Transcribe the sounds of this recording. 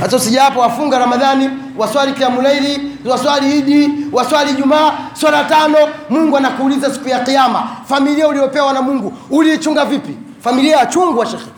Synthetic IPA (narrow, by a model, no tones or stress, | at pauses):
hasausiʄaapɔwafuŋɡaɾamaðani | waswalikiamulailiwaswaliiɗiwaswaliːʄumaːswalatanɔmuŋɡuanakuːlizasi̥kujaqiama̰familiauliɔpɛwanamuŋɡuːliːt͡ʃuŋɡavipi | familiajat͡ʃuŋɡuwaʃɛxɛ